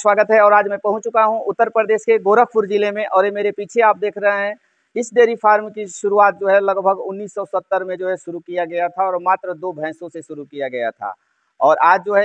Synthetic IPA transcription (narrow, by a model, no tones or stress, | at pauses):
swaːɡət̪ɦɛɔːɾaːd͡ʒmɛ̃pɐɦʊ̃t͡ʃt͡ʃʊkaɦũʔʊt̪ːəɾpɾəd̪eːʃkeɡoːɾəpʊɾd͡ʒɪlemẽʔɔːɾjemeːɾepiːt͡ʃʰeaːp̚d̪eːkʰɾɐɦeɦɛ̃ | ɪsɖeːɾipʰaːɾmkiʃʊɾuaːt̪̚d͡ʒoːɦɛlɐɡbʱəɡʊnːiːsːɔːsət̪ːəɾmẽd͡ʒoːɦɛʃʊɾukijaɡɐjat̪ʰaɔːɾmaːt̪ɾəd̪oːbʱɛ̃ːsõseʃʊɾukijaɡɐja̰t̪ʰa̰ː | ɔːɾʔaːd͡ʒd͡ʒoːɦɛ